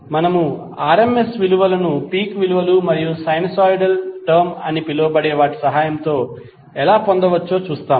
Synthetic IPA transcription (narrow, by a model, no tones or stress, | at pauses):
mɐnɐmu | aːɾemesʋiluʋɐlɐnupiːkʋiluʋɐlumɐɾijusɐjnɐsaːjɖɐlʈɐɾmɐnipilːoːbɐɽe̞ːʋaːʈi̥sɐɦaːjɐmt̪o̞ː | ɛlaːpond̪ɐʋɐt͡ʃːo̞ːt͡ʃuːst̪aːm